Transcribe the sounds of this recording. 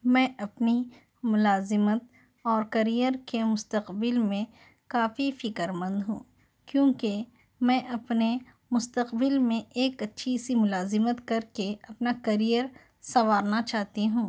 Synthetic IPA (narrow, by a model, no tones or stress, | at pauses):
mɛ̃ʔɐpni | mʊlaːzɪmət̪̚ | ɔːɾkɐɾijəɾkemʊst̪əqbɪlmẽ | kaːfifɪkəɾmə̃nd̪ɦũː | kjõːke | mɛ̃ːʔɐpne | mʊst̪əqbɪlmẽeːkɐtːʃʰisimʊlaːzɪmət̪kɐɾkeɐpnakɐɾijəɾ | sɐʋaːɾnat͡ʃaːɦt̪iɦũː